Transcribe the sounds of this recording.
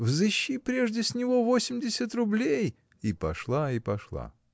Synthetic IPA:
vzɨɕːipɾʲe̞ʐdʲɪsʲnʲɪvo̞vo̞sʲɪmʲdʲɪsʲət̪rʊblʲej | ipɐ̰ʂlˠaipɐʂlˠa̰

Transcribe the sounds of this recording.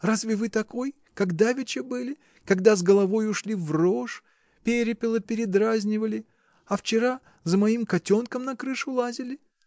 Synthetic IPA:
razvʲɪvɨt̪ɐko̞j | kɐɡd̪avʲɪt͡ɕɪbɨlʲɪ | kɐɡd̪azɡəlˠɐvo̞jʊʂlʲivro̞ʂ | pʲeɾʲɪpʲɪlˠəpʲɪɾʲɪd̪ɾazʲnʲɪvəlʲɪ | ɐft͡ɕɪɾa | zəmɐimkɐtʲo̞nkəmnɐkɾɨʂʊlˠazʲɪlʲɪ

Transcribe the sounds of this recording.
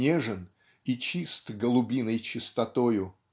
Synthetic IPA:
eʐɨn | it͡ɕist̪ɡəlˠʊbʲinəjt͡ɕɪst̪ɐt̪ojʊ

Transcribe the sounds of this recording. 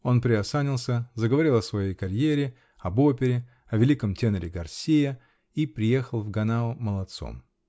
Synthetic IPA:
o̞npɾʲɪɐsanʲɪlˠsʲəzəɡəvɐɾʲilˠɐsvɐjejkɐɾʲjeɾʲɪ | ɐbo̞pʲɪɾʲɪ | ɐvʲɪlʲikəmtʲenəɾʲɪɡɐrsʲejə | ipɾʲɪje̞xəlˠvɡɐnaʊməlˠɐt̪so̰m

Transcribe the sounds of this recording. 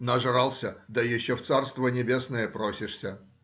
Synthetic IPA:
nɐʐɨɾalˠsʲəd̪əjɪɕːoft̪sarst̪vənʲɪbʲesnəjəpɾosʲɪʂsʲə

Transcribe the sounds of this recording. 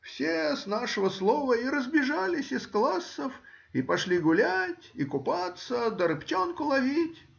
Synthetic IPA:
fsʲesnaʂəvəslˠovəiɾəzbʲɪʐalʲɪsʲɪsklˠasːəf | ipɐʂlʲiɡʊlʲætʲikʊpat̪səd̪əɾɨptʲonkʊlˠɐvʲitʲ

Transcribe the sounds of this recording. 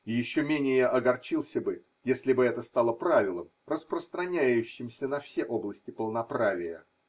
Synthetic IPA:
ɪjɪɕːomʲenʲɪjəʔɐɡɐrt͡ɕilˠsʲəbɨ | jesʲlʲɪbɨɛt̪əst̪alˠəpɾavʲɪlˠəmrəspɾəst̪ɾɐnʲæjʉɕːɪmsʲənɐfsʲeʔo̞blˠəsʲtʲɪpəlˠnɐpɾavʲɪjə̰

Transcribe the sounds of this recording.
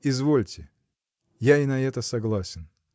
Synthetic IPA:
ɪzvolʲtʲɪ | jaɪnɐɛt̪əsɐɡlˠasʲɪn

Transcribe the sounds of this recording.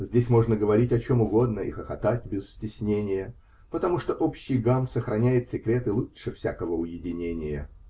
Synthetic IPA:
zʲdʲesʲmo̞ʐnəɡəvɐɾʲitʲɐt͡ɕo̞mʊɡo̞d̪nəḭxɐxɐt̪atʲbʲɪzsʲtʲɪsʲnʲenʲɪjə | pət̪ɐmuʂt̪oʔopɕːɪjɡampsəxɾɐnʲæjɪt̪sʲɪkɾʲe̞t̪ɨlˠutʂɨfsʲakəvəʊjɪdʲɪnʲenʲɪjə

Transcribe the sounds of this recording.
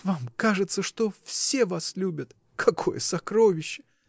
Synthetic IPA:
vamkaʐɨt̪səʂt̪o̞fsʲe̞vaslʲubʲət̪ | kʰɐkʰo̞̰jəsɐkɾovʲɪɕːɪ̥

